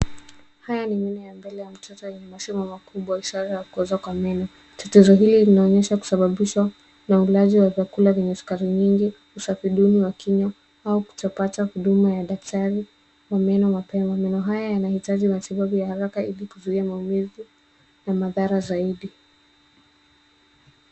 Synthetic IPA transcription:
hajaniminɛjambɛlɛjam̩tʰɔtɔjɛɲɛmasimamakuɓwaiʃaɾajakuɔzakwamɛnɔ | tatɛzɔɦililinaɔɲɛʃaku̥saɓaɓiʃwa | naulaziwavjakulavɛɲɛsu̥kaɾiɲiŋɡi | usafiɗuniwakiɲɔ | auku̥tapatahuɗumajaɗak̚taɾi | wamɛnɔmapɛmamɛnɔɦajajanahitaʄimatiɓaɓujahaɾakailikuzuiamaumiði | namaðaɾazaiɗi

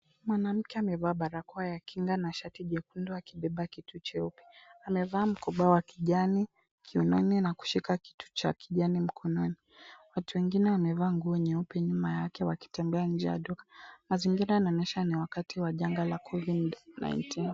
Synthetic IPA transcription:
mwanam̩kɛamɛvaːɓaɾakɔajakiŋɡanaʃatiʄɛkundɔakiɓɛɓakitut͡ʃɛupɛ̥amɛvaːm̩kɔɓawakiʄani | kʰiunɔninaku̥ʃikaki̥tu̥t͡ʃa̰kʰiʄanim̩kʰɔnɔni | watuwɛŋɡinɛwamɛvaːŋɡuɛɲɛupɛɲumajakɛwaki̥tɛmbɛaɲ̩d͡ʒɛja̰ɗɔkḁmaziŋɡiɾaanaɔnɛʃaniwakatiwaʄaŋɡalakʰɔvidna̰jntin

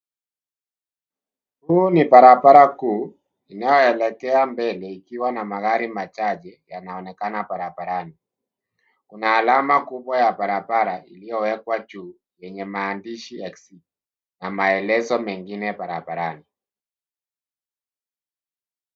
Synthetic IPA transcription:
huːnipaɾabaɾakuː | inajɔɛlɛkɛambɛlɛikiwanamaɣaɾimat͡ʃaʄɛjanaɔnɛkanapaɾabaɾani | kunaːlamakuɓwajapaɾabaɾailijɔwɛkwat͡ʃuː | jɛɲɛmaːndiʃiɛksi | namaɛlɛzɔmɛŋɡinɛpaɾabaɾani

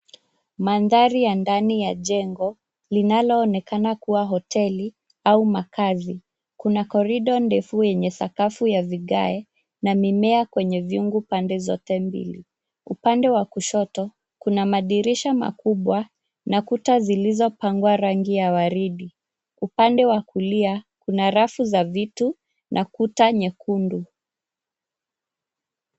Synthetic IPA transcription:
manðaɾijandanijaʄɛŋɡɔ | linalɔːnɛkanakuwaɦɔtʰɛli | aumakazi | kunakɔɾiɗɔndɛfujɛɲɛθakafujaviɠaɛ | namimɛakwɛɲɛviuŋɡupandɛzɔtɛmbḭlḭ | upandɛwakuʃɔtɔ | kunamaɗiɾiʃama̰kuɓwa | nakutazilizɔpaŋɡwaɾaŋɡijawaɾiɗi | upandɛwakuliakunaɾafuzavitu | nʔakutaɲɛkundu

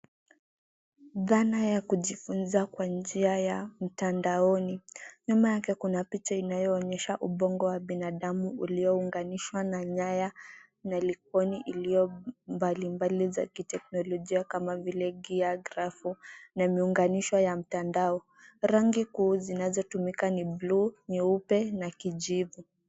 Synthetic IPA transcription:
ðanajakuʄifunzakwand͡ʒiajam̩tandaɔniɲumajakɛkunapit͡ʃainajɔːɲɛʃaʔuɓɔŋɡɔwaɓinaɗamuṵliɔuŋɡaniʃwanaɲaja | nalik̚ɔniʔilijɔmbalimbaliza̰kitɛk̚nɔlɔʄiakamavilɛɡiaɡɾafunamiuŋɡaniʃwajam̩tandaɔ | ɾaŋɡikuːzinazɔtumikanibluniupɛnakiʄivu

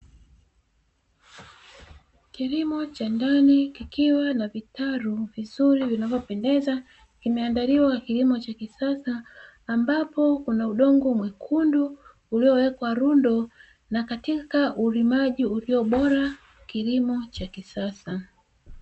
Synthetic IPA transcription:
kilimɔt͡ʃandanikikiwanavitaɾuvizuɾivinavɔpɛndɛza | kimɛandaliwakilimɔt͡ʃakisasaː | mbapɔkunauɗɔŋɡɔmwikʰundu | uliɔwɛkwaɾundɔ | nakatikaʔuɾimaʄiuliɔɓɔɾa | kilimɔt͡ʃakisasa

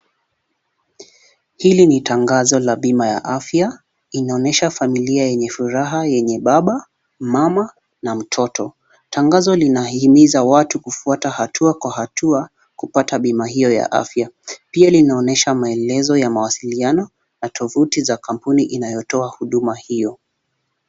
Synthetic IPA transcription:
hilinitaŋɡazɔlaɓimaja̰ʔafja | inaɔnɛʃafamiliajɛɲɛfuɾaɦajɛɲɛɓaɓa | mama | nam̩tʰɔtʰɔ | tʰaŋɡazɔlinahimizawatukufuatahatʰuakwahatʰua | kupataɓimaɦijɔja̰ʔa̰fjapialinaɔnɛʃamaɛlɛzɔjamawasilianɔ | natʰɔvutizakam̩puniʔinajɔtɔahuɗumahijɔ

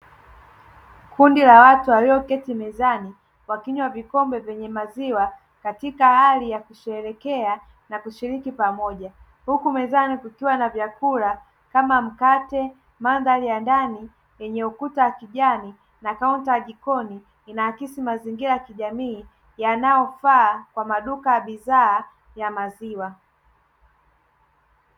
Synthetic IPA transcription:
kundilawatuawiɔkɛtimɛzani | wakiɲwavikɔmbɛvɛɲɛmaziwa | katikahalijakuʃɛɾɛkɛa | nakuʃiɾikipamɔʄa | hukumɛzanikukiwanavjakuɾa | kamam̩katɛ | manðalijandani | jɛɲɛukutawakiʄani | nakauntijaʄikɔni | inahakisimaziŋɡiɾajakiʄamiː | janajɔfaːkwamaɗukajaɓiðaː | jamaziwa

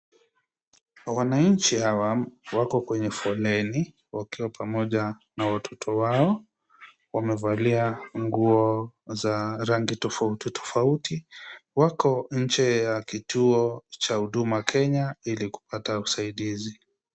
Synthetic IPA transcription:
wanaɲt͡ʃihawawakɔkwɛɲɛfɔlɛni | wakiwapʰamɔʄa | nawatʰɔtʰɔwaɔ | wamɛvaliaŋɡuɔzaɾaŋɡitɔfautitʰɔ̥fautiwakɔɲ̩t͡ʃɛjakitʰuɔt͡ʃahuɗumakʰɛɲailiku̥patausaiɗizi

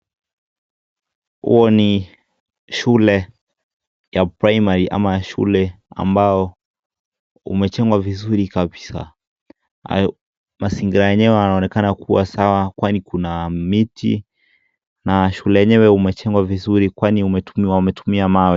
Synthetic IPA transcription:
hṵɔni | ʃulɛ | japɾaimaɾiʔa̰maaʃṵlɛ | a̰mbaɔ | ṵmɛt͡ʃɛŋɡwavizuɾikabisa̰ | masiŋɡiɾajɛɲɛwɛanaɔnɛkanakʰuwasawakwanikunamitḭ | naʃulɛjɛɲɛwɛumɛt͡ʃɛŋɡwavizuɾikwaniumɛwamɛtumiamawɛ

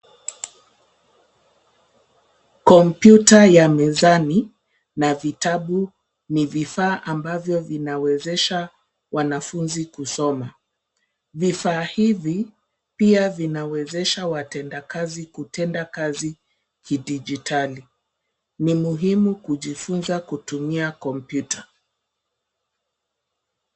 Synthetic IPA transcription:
kɔmpjutajamɛzani | navitaɓu | nivifaːʔambavjɔvinawɛzɛʃa | wanafunzikusɔma | vifaːhivi | piavinawɛzɛʃawatɛndakazikutɛndakazi | kʰidid͡ʒitali | nimuɦimukuʄifunzakutumiakɔmpjuta

